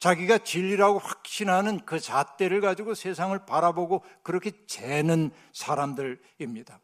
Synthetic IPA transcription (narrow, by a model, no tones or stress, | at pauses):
t͡ɕaɡiɡat͡ɕiʎːiɾaɡoɸwḁk̚ɕ͈inɦanɯnkɯt͡ɕat͈e̞ɾɯɭɡad͡ʑiɡosʰe̞sʰaŋɯɭpaɾaboɡokɯɾʌkʰe̞t͡ɕenɯn | sʰaɾamdɯɾ | imɲid̥a